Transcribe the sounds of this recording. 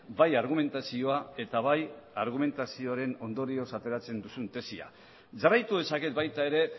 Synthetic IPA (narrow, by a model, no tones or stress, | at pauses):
bajaɾɣ̞ume̞nt̪asio̞ae̞t̪aβajaɾɣ̞ume̞nt̪asio̞aɾe̞no̞nd̪o̞ɾio̞sat̪e̞ɾat͡se̞nd̪usunt̪e̞sia̰ | ʝarajt̪uðe̞sake̞t̪̚bajt̪ae̞ɾe̞